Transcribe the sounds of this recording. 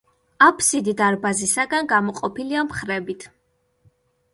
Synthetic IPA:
apʰsid̪id̪aɾbazisaɡanɡamɔqʼɔpiliamχɾɛbit̪ʰ

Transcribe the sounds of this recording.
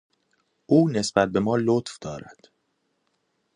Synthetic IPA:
ʔuːne̞sb̥æt̪̚be̞mɒːlot̪fd̪̥ɒːɾæ̰d̪̥

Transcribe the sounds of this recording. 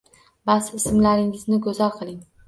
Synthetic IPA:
basɪsɪmlaɾɪŋɪznɪɡɵzalˠqʰɨlˠɪŋ

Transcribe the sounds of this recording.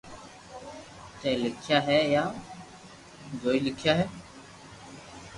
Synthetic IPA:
t̪ẽːlɪkʰɪjaːɦɛːjaː | d͡ʒoːiːlɪkʰjaːɦɛː

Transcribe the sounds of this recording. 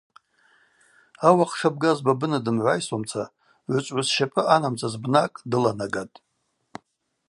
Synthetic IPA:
awaχʂab̚ɡazbabɨnadɨmʕʷajsomt͡sʰa | ʕʷʊt͡ʃʷʼʕʷasʃapʼɨanamt͡sʰʼazbnakʼdɨlanaɡatʼ

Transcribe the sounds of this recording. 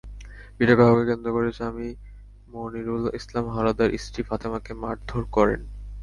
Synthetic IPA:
biʈokaɦakekend̪ɾokoɾet͡ɕʰami | moniɾulislamɦaɾad̪aɾʔḭsʈifat̪emakemaɾd̪ʱoɾkɔɾḛn

